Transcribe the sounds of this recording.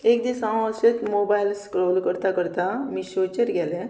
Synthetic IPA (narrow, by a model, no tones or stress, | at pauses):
eːkd̪isãaset̪mobajlskɾoːlkəɾt̪akəɾt̪amisot͡ʃəɾɡɛle